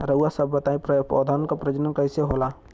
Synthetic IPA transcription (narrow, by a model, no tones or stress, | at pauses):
ɾəuasəbːət̪aːĩpɾpo̰d̪ʱankapɾəd͡ʒənənkəɪseɦola